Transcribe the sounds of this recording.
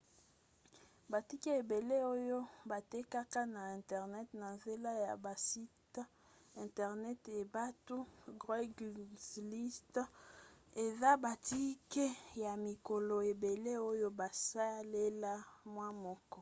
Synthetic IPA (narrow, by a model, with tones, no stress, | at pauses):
ba˨ti˦ke˦e˨be˨le˦o˦jo˦ba˨tɛ˦ka˦ka˦na˨ɛ̃˨tɛ˨ʁnɛ˦tna˨nze˦la˦ja˨ba˨si˦ta˦ | ɛ̃˨ntɛ˨ʁnɛ˦te˨ba˦tu˦ɡʁa˦ɡsli˦ste˨za˦ba˨ti˦ke˦ja˨mi˨ko˨lo˨e˨be˨le˦o˦jo˦ba˨sa˦le˦la˦mwa˦mɔ˦kɔ˦